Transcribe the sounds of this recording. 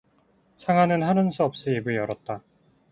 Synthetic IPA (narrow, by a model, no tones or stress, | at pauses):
t͡ɕʰaŋɦanɯnɦanɯnsʰuʌp̚ɕ͈iibɯjʌɾʌt̚t͈a